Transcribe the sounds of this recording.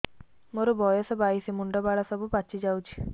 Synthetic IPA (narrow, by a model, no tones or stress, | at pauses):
moɾubojɐsɐbaːjisimuɳɖɐbaːɽɐsɐbupɐt͡ʃːid͡ʒɐwt͡ʃi̥